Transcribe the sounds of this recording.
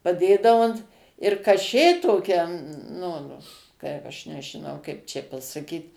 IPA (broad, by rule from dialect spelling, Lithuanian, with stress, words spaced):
pɐˈdʲeːdɐʋʊ ɐnt ɪr kɐˈʃʲeː toːˈkʲɛ ˈnʊ ˈkɐɪp ˈɐʃ nʲɛʒʲɪˈnɐʊ ˈkɐɪp t͡ʃʲɛ pɐsɐˈkʲiːt